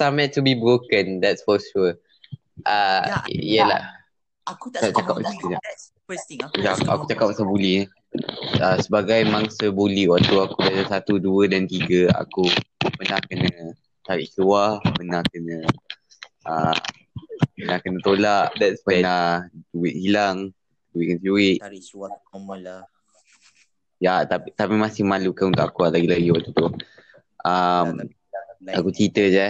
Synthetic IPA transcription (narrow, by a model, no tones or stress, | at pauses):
samɛ̃tːubibɾokə̃ndɛtsfɔʃu | ʔajəla̰ | at͡ʃakap̚əst̪ila | lapa̰ku̥t͡ʃakap̚ːasabuli | asəbaɡajmaŋsəbuliwat̪uakubasasat̪uduədant̪iɡəa̰kupənahkənə | t̪aɾiʔt͡ʃuahpənahkənə | a | pənahkənət̪olaʔdɛtspənad͡ʒuiʔhilaŋ | əd͡ʒuiʔ̚kənd͡ʒuwɪʔ | jat̪apit̪apimãsɪŋmãlukaũnt̪ʊʔakualaɡilaɡiwaʔ̚t̪ut̪u | ʔam | akut͡ʃit̪əd͡ʒɛ